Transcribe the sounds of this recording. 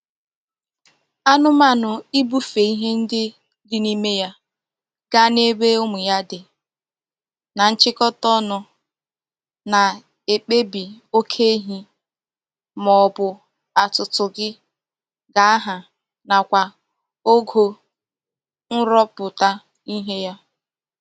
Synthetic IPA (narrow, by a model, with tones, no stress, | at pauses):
a˦nʊ˦ma˦nʊ˨i˦bu˦fe˨i˦ɦe˦n̩˦dɪ˦ | dɪ˦ni˦me˦ja˦ | ɡ̥a˦ne˦be˦o˦mʊ˨ja˦dɪ˨ | na˨n̩˦t͡ʃɪ˦kɔ˦tɔ˦nʊ˨ | na˨ | e˨k͡pe˦bi˨o˦kʰe˦ɦi˦ | mɔ˨bʊ˨ | a˨tʊ˨tʊ˨ɡɪ˦ | ɡa˨a˦ɦa˨ | na˨kʷa˨ | o˦ɡo˦ | n̩˦ɾɔ˦pʊ˨ta˦ | i˦ɦe˦ja˦